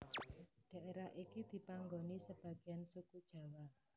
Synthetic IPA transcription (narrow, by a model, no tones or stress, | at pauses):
ɖ̥a̤ʔeɾahʔikid̪̥i̤paŋɡonisəb̥ä̤ɡ̥i̤ansukud̥ʒ̥a̤wa